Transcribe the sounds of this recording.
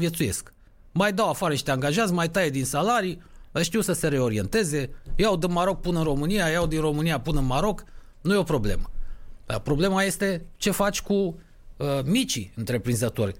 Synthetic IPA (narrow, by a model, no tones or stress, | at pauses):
vje̞t̪suje̞sk | majd̪awafaɾəniʃt̪eaŋɡaʒat̪sʲmajt̪aje̞d̪insalaɾiəʃt̪iwsəse̞ɾe̞o̞ɾie̞nt̪e̞ze̞jawd̪ənmaɾo̞k̚pɨnəɨnro̞mɨnijajawd̪inro̞mɨnijapɨnəɨnmaɾo̞k | nujeo̞pɾo̞ble̞̰məd̪a̰pɾo̞ble̞maje̞st̪e̞t͡ʃe̞fat͡ʃʲku | əmit͡ʃiɨnt̪ɾe̞pɾinzət̪o̞rʲ